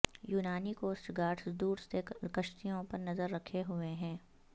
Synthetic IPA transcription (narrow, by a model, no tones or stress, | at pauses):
juːnaːnikoːsʈɡaːʈsd̪uːɾsekɐʃt̪ijõpɐɾnɐzəɾːɐkʰeɦʊeɦɛ̃ː